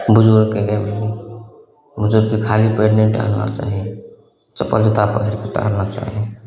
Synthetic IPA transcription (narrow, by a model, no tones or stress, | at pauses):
bʊd͡ʒuɾkeɡem | bʊd͡ʒʊɾkikʰalipɾeɖnẽɳʈa̰na̰t͡ʃa̰ːɦie | t͡ʃəpːəld͡ʒət̪apəɦiɾket̪ə̰ɦəɾnat͡ʃa̰ːɦie